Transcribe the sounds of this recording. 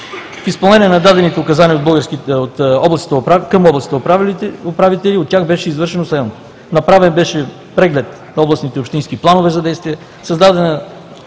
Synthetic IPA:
fispɐlˠnɛniɛnɐd̪ad̪ɛnit̪ɛokɐzaniəod̪̚bɤlˠɡəɾskiot̪ɔblˠɐst̪it̪akɐmɔblˠɐsit̪əopɾavlopɾavit̪ɛliot̪ːʲjaxbɛʃɛizvɤɾʃɛnoslɛn | nɐpɾavɛnbɛʃɛ | pɾɛɡlɛt̪nɐɔblˠɐsnit̪ɛopʃt̪inskiplˠanovɛzɐd̪ɛjst̪viɛ | sɐzd̪ad̪ɛnɐ

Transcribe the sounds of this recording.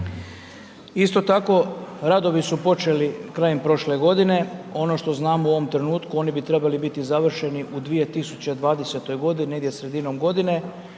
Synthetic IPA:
ist̪o̞t̪ako̞ɾad̪o̞ʋisupo̞t͡ʃe̞likɾaːjempɾo̞ʃle̞ɡo̞d̪ine̞o̞no̞ʃt̪o̞znaːmuo̞ʋo̞mt̪ɾe̞nuːt̪kuo̞ːnibit̪ɾe̞balibit̪izaʋr̩ʃe̞niʔud̪ʋije̞t̪isut͡ɕed̪ʋaːd̪ese̞t̪o̞jɡo̞d̪inineɡd̪jesɾe̞d̪ino̞mɡo̞d̪ine̞

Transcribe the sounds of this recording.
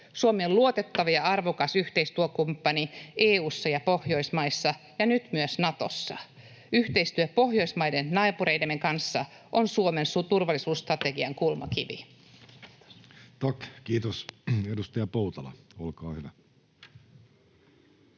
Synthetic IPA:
suomeoluot̪e̞t̪ːɑʋɑjɑɑrʋokɑsyht̪eist̪uøkumpːɑnieːuːsːɑjɑpo̞hjo̞jsmɑjsːɑ | jɑnyt̪myøsnɑt̪o̰sːɑ̰ | yht̪eist̪yøpo̞ɦjo̞jsmɑjde̞nːɑːpuɾe̞jdemːeŋkɑnsːɑ | ʔonsuome̞nsut̪urʋɑlːisuːsːt̪rɑt̪e̞ɡiɑŋkulmɑ̰kiʋḭ | t̪ɑkkiːt̪osedust̪ɑjɑpouwt̪ɑlɑ̰olkɑːhyʋæ

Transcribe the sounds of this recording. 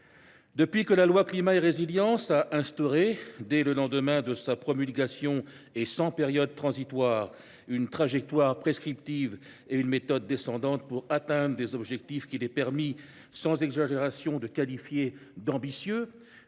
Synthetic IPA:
d̪əpɥikəlalwaklimaeʁeziljɑ̃saʔɛ̃st̪ɔʁed̪ɛləlɑ̃d̪əmɛ̃d̪əsapχɔmylɡʲasjɔ̃ | esɑ̃peʁjɔd̪̚t̪χɑ̃zit̪waːʁ | ynt̪χaʒɛk̚t̪waʁpχeskχipt̪iv | eynmet̪ɔd̪ːesɑ̃d̪ɑ̃t̪puʁat̪ɛ̃d̪ʁəlezɔbʒɛk̚t̪ifkʲilɛpɛʁmi | sɑ̃zɛɡzaʒeʁasjɔ̃d̪əkalifjed̪ɑ̃bisjø

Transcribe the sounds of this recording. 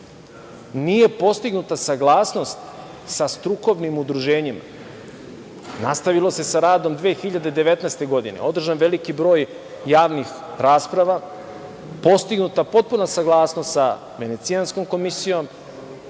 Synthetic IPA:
nije̞po̞st̪iɡnut̪asaɡlˠaːsno̞st̪ | sast̪ɾuko̞ʋnimud̪ɾuʒe̞ːɲima | nast̪aʋilo̞se̞saɾaːd̪o̞md̪ʋeːxiʎad̪e̞d̪e̞ʋe̞t̪nast̪e̞ɡo̞d̪inḛo̞d̪r̩ʒanʋe̞likibɾo̞ːjː | aːʋnix | ɾaːspɾaʋa | po̞st̪iɡnut̪apo̞t̪̚punasaɡlˠaːsnost̪sa | ʋene̞t̪siansko̞mko̞misijo̞m

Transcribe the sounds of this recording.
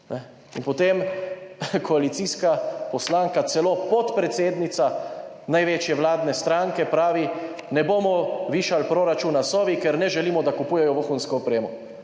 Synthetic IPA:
nɛ | inpɔt̪em | kʰɔalit̪siːskapɔslaːŋkat̪sɛloːpɔt̪pɾɛt̪seːd̪nit̪sa | najʋeːt͡ʃjɛʋlaːd̪nɛst̪ɾaŋkɛpɾaːʋi | nɛboːmɔʋiːʃalpɾoːɾat͡ʃuːnasɔːʋikɛɾnɛʒɛliːmɔd̪akupuːjɛjɔʋoxunskɔɔpɾeːmɔ

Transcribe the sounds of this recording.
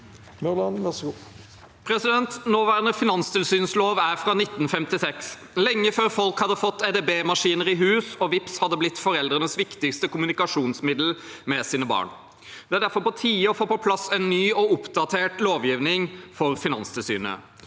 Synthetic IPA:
mœlɑnʋæsɡu | pʰɾɛsɪd̪ɛnt̪noːʋæːɾnəfɪnɑnst̪ɪlsyːnsloːʋæɾfɾɑːnɪt̪ːn̩fɛmt̪ɪsɛks | lɛŋːəføːɾfɔlkhɑd̪ːəfɔt̪ːɛd̪ebeːmɑʂiːnəɾɪɦʉːsɔʋɪpshɑd̪ːəblɪt̪ːfɔɾɛld̪ɾənəsʋɪkt̪ɪkst̪əkʊmʉnɪkɑʂuːnsmɪd̪l̩mɛsiːnəbɑ̰ːɳ | d̪̥ɛæɖæɾfɔɾpɔt̪ʰiːɔfoːpɔpʰlɑsɛnːyːɔʊpd̪ɑt̪ʰeːʈloːʋjiːʋnɪŋfɔɾfɪnɑ̰nst̪ʰɪlsy̰ːnə̰

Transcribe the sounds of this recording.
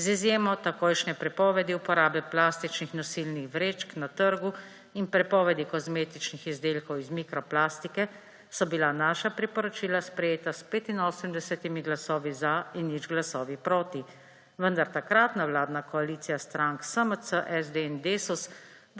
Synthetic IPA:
zizjeːmɔt̪akojʃnɛpɾɛpɔːʋɛd̪iupɔɾaːbɛplaːst̪it͡ʃnixnɔsilnixʋɾeːt͡ʃknat̪əɾɡu | inpɾɛpɔːʋɛd̪ikɔzmeːt̪it͡ʃnixizd̪eːlkɔwizmikɾɔplaːst̪ikɛ | sɔbilanaːʃapɾipɔɾɔt͡ʃiːlaspɾɛjeːt̪aspeːt̪inoːsəmd̪ɛsɛt̪imiɡlasɔːʋizainːid͡ʒɡlasɔːʋipɾoːt̪i | ʋənd̪aɾt̪akɾat̪nawlaːd̪nakɔaliːt̪sijast̪ɾaŋksəməsəʔɛzd̪eɛnd̪eːsus | d̪

